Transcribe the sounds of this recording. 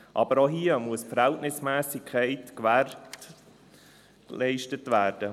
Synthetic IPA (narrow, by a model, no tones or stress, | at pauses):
ʔɑ̰bəɾoɦiːəmuəsfəɾhɛltnɪsmæːsɪkʰɛɪtkʋært | lɛɪʃtətʋæːrd̥ə